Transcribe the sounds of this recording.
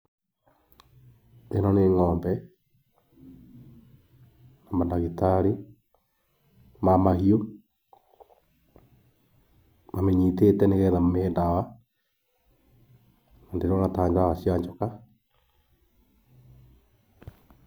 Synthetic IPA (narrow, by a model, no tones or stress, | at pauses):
enɔneːŋɔːmbɛ | namandaɣitaɾi | mamahio | mameɲitetɛneɣɛːðammeːndawa | andeɾonataːɲd͡ʒaaɣasiaɲt͡ʃɔka